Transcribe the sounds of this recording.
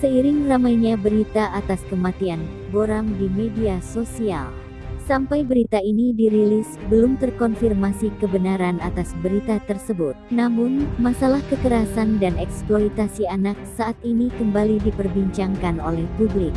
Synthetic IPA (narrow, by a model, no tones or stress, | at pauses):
səiɾɪŋramajɲabəɾit̪aʔat̪askəmat̪ian | boɾamdimediasosia̰l | sampajbəɾit̪ainidiɾilisbəlumt̪ərkɔnfirmasikəbənaɾanat̪asbəɾit̪at̪ərsəbʊt̪̚namʊnmasalahkəkəɾasandanɛksplolit̪asianak̚saat̪̚inikəmbalidipərbiɲt͡ʃaŋkano̰lɛhpublɪk̚